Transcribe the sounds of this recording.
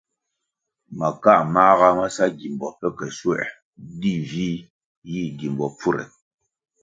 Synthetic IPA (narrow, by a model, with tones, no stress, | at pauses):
ma˨ka˦˨ma˦ɣa˦ma˦sa˦ɡi˨mbɔ˨pɛ˦kɛ˨swɛ̰˨ʔ | di˦˨vi˦ | ji˦˨ɡi˨mbɔ˨p͡fu˦ɾɛ̰˨